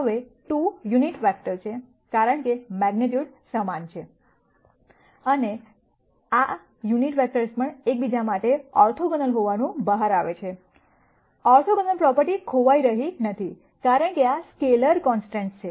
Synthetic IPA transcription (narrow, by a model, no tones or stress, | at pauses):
ɦəʋeʈujuniʈʋɛk̚ʈəɾt͡ʃʰe | kaɾəɳkemɛɡneʈjuɽsəmant͡ʃʰe | əne | a | juniʈʋɛk̚ʈəɾspəɳek̚bid͡ʒamaʈeɔɾt̪ʰoɡənəlɦoʋanũbəɦaɾaʋet͡ʃʰe | ɔɾt̪ʰoɡənəlpɾɔpəɾʈikʰoʋaiɾəɦinət̪ʰi | kaɾəɳkeaskeləɾkɔnsʈẽɳʈt͡ʃʰe